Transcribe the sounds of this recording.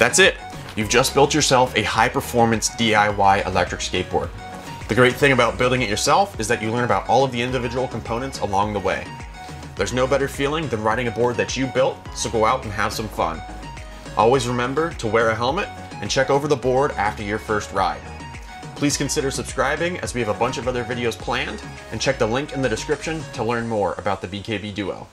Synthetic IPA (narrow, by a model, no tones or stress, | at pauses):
ðætsɪt̚ | jʉvd͡ʒʌsb̥ɪlˠt͡ʃə˞sɛlˠfɨhaɪpə˞fɔɹmɨ̃nsd̥iaɪwaɪʔə̰lɛ̰k̚tɹ̥ɨkskeɪp̚b̥ɔ̰ɹd̪̥̚ | ðɨɡɹeɪt̪̚θɪ̃ŋɨbaʊt̚b̥ɪlˠdɪ̃ŋɨt͡ʃə˞sɛlˠfɨzðɨt͡ʃɨlɜ̃˞ñəbaʊɾʔɔlˠʌvðiɪ̃ndɨvɪd͡ʒəwl̩ˠkʰm̩pʰõʊ̃nɨ̃ntsə̰lɔ̃ŋðəwḛɪ | ðə˞znoʊbɛɾə˞filˠɪ̃ŋðɨ̃nɹaɪɾɪ̃ŋɨbɔɹd̪̚ðɨt͡ʃɨbɪlˠt̚soʊɡoʊaʊɾn̩ɨv̥sʌ̃ɱfʌ̰̃n | ʔɔ̰lˠwizɹɨmɛ̃mbə˞ɾəwɛɹɨɦɛlˠmɨɾ | ɨ̃nt͡ʃʰɛkoʊvə˞ðəbɔɹɾæ̰ftə˞jə˞fɜ˞st̚ɹa̰ɪd̥ | pʰl̥iz̥kɨ̃n̩sɪɾə˞sɨb̥skɹaɪbɪ̃ŋʔɨ̰zwiɨvəbʌ̃nt͡ʃʌvʌðə˞vɪɾioʊz̥pʰl̥æ̃nd | ʔɨ̃nt͡ʃʰɛk̚ðəlɪ̃ŋkɨ̃nðɨɾɨskɹɪpʃɨ̃ntʰəlɜ̃˞nmɔɹə̰baʊt̪̚ðɨbikʰeɪbidʉo̰ʊ